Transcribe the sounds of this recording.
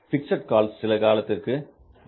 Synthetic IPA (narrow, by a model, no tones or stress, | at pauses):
fɪksɐʈ̚kaːlsːɪlɐkaːlɐt̪ːɪrkɯ